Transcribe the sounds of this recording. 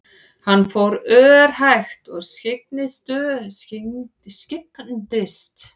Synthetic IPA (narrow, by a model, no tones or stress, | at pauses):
hanːfowɾœːɾ̥hajxt̪ɔɣscɪk̚nɪst̪ʏ | scɪknt̪ɪst̪